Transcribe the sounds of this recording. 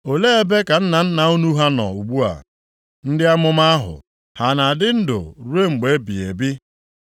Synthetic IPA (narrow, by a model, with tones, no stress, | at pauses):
o˨le˦e˦be˦ka˨n̩˦na˨n̩˦na˨u˦nu˦ɦa˦nɔ̰˨u˨ɡ͡bu˦a̰˨ | n̩˦dɪ˦a˦mʊ˦m˦a˦ɦʊ̰˨ | ha˨na˨dɪ˦n̩˦dʊ̰˨ɾu˦e˦ŋ͡m̩˨ɡ͡be˨˦bi˨e˨bi˦